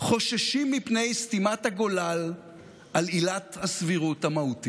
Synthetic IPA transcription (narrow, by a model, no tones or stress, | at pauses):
χo̞ʃaʃimːipne̞jstimathaɡolal | ʔalilathasviʁuthamahuti